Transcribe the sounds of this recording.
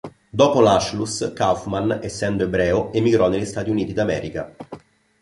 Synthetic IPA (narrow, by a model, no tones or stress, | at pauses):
d̪oːpolaʃluskafmanesːɛnd̪oebɾɛːoemːiɡɾɔneʎːist̪aːt̪iuniːt̪id̪amɛ̰ːɾika̰